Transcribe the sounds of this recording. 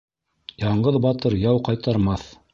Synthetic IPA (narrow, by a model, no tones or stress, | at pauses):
jɑɴɢɤðbɑt̪ɤɾjɑwqɑjt̪ɑɾmɑθ